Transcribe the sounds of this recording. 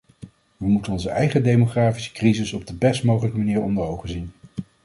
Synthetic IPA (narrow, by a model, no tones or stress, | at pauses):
ʋəmutənɔnzəʔɛjχədejmoχraːfi̥sə̥krizɪsɔb̚dəbɛstmowχələkəmaniːɹɔndəɹowχənzin